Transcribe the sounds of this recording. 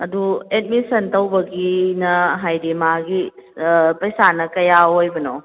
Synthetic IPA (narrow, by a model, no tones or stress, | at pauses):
ɐduet̚misɐntɐwbɐɡinɐɦajɾimaɡi | pɐjsanɐkɐjaojbɐno